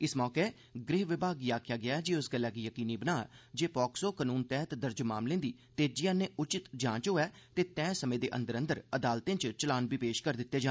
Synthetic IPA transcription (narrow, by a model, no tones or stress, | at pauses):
ɪsmɔːkeː | ɡɾɪːʋɪbʱaːɡiaːkʰjaːɡɪaːɛd͡ʒiːʊsɡəlːɛːkiːjəkiːniːbənaːd͡ʒeːpɔːksoːkənuːnt̪ɛːɦt̪d̪əɾd͡ʒmaːmlẽːnd̪iːt̪eːd͡ʒɪjãːneːʔʊt͡ʃɪt̪d͡ʒãːt͡ʃɦoːɛːt̪eːt̪ɛ̃ːsəmẽːd̪eːʔə̰̃nd̪əɾə̃nd̪əɾəd̪aːlt̪ẽːt͡ʃt͡ʃəlaːnbiːpeːʃkəɾd̪ɪt̪ːeːd͡ʒaː